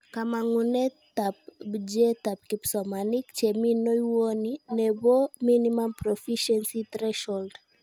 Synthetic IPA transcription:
kamaŋunɛtap̚d͡ʒɛtap̚kipsɔmanikt͡ʃɛminɔiwoninɛbɔminimampɾɔfiʃɛnsit̪ɾɛʃɔld

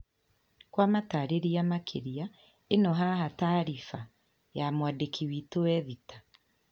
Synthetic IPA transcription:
kwamataɾeɾiamakʰeɾia | enɔɦaɦataːɾifa | jamwadekʰiwitowɛðitḁ

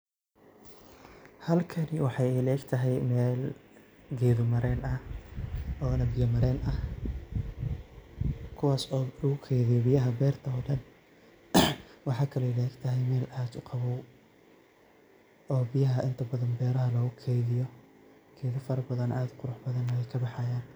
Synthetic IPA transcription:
hɐlkʰɐnɪwɑħɑjɛlɛːɡt̪ʰɐɦɛjmɛːl | ɡɛːðʊmɐɾɛːnɐ | ɔːnɐbɪjɐmɐɾɛːnʔɐh | kʰʊwɑːsɔːlɐɣʊkʰɛːjðɪjɔbɪjɐɦɐbɛːrt̪ʰɐɔːɖɐn | wɑħɑːkʰɐlɛlɛːɡt̪ʰɐɦɛjmɛːlʔaːd̪ʊqʰɑβɔw | ɔːbɪjɐɦɐʔɪnt̪ʰɐbɐðɐnbɛːɾɐɦɐlɔːɣʊkʰɛjðɪjɔ | ɡ̥ɛːðɪfɐɾɐbɐðɐnʔaːd̪qʊɾʊħbɐðɐnɐjɛjkʰɐbɑħɑjaːn

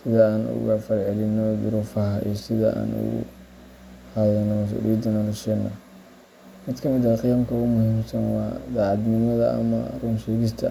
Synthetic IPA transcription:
sɪðɐaːnʊ̰ɣɐfɐrʕɛlɪnːɔd̪ʊɾufɐɦɐʔḭsɪðɐ̰ʔa̰ːnʊ̰ɣʊ̰ | hɐðɛnːɔmɐs̬ṵːɾḭjɐd̪ɐnɔɾɐʃɛːnːɔ̰ | mɪd̪kʰɐmɪðɐqijɐmkʰɐʊmʊhiːmsɐnwɑːd̪aʕɑd̪nɪmɐðɐʔɐ̰mɐ̰ruːnʃɛːɣɪst̪ʰɐ

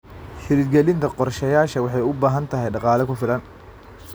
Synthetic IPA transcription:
ħɪɾɪd̪ɡɛlɪnt̪ʰɐqɔrʃɛjaːʃɐwɑħɑjʊbaːɦɐnt̪ʰɐɦɛjɖɑqɑːlɛkʰʊfɪlɐn

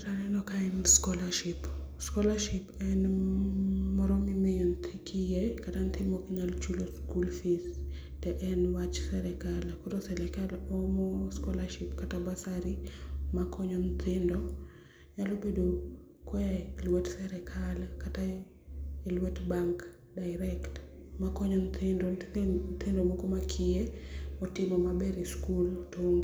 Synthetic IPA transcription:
ɾanɛnɔkaɛnskɔlaʃɪpskɔlaʃipɛn | mɔɾomimejɔnt̪ʰikijɛkatant̪ɪmɔkiɲalt͡ʃuloskulfis | tɛʔɛnwat͡ʃsɛɾɛkalkotosɛlɛkalɔmɔskɔlaʃipkatabasaɾimakʰɔɲɔnt̪ʰɪndɔ | ɲalobedo | kwɛlwɛtsɛɾɛkʰalkata | ilwɛtbaŋk | daɪɾɛktmakɔɲɔnt̪ʰɪndɔnt̪ʰɪndɔmokomakʰijemɔtɪmɔmabɛɾiskultoŋɡi

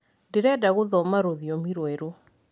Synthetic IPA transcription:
ndeɾɛdaɣoðɔmaɾoðiɔmiɾweɾo

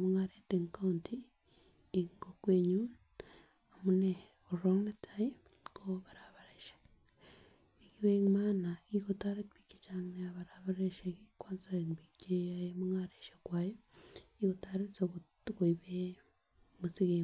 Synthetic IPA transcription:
muŋaɾeteŋkauntiː | ŋɡokweɲu | amune | oɾoŋnetʰai | koβaɾaβaɾeʃḁ | ikiweŋmaːnaikotaɾetβiki̥t͡ʃaŋneaβaɾaβaɾeʃekikwaːnt͡saeŋbit͡ʃeajemuŋaɾeʃekwajoiɣotaɾet͡soutkoiβe | mut͡siɣe

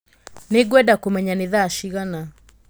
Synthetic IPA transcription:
neɡwɛdakomɛɲaneðaʃiɣana

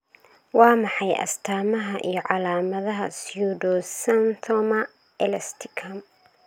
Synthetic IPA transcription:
wɑːmɑħɑjʔɐ̰st̪ʰaːmɐɦɐʔḭjɞʕɑlaːmɐðɐɦɐsjudɔsɐnt̪ʰɔmɐ | ɛlɐst̪ʰɪkʰɐm

